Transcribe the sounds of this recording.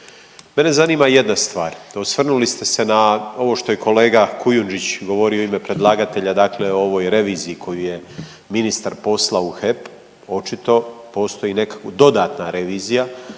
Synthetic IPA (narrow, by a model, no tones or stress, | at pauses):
me̞ne̞zaniːmaje̞d̪nast̪ʋaːɾosʋr̩nulist̪e̞se̞nao̞ʋo̞ʃt̪o̞jekʰo̞le̞ːɡakujund͡ʒit͡ɕɡo̞ʋo̞ɾioimepɾe̞d̪lˠaːɡat̪e̞ʎad̪aːkle̞ooʋo̞ːjɾe̞ʋiːziikʰo̞juje̞ | minist̪aɾpo̞slˠauxe̞p | o̞t͡ʃit̪o̞po̞ːst̪o̞jine̞kḁkod̪o̞d̪aːt̪naɾe̞ʋiːzija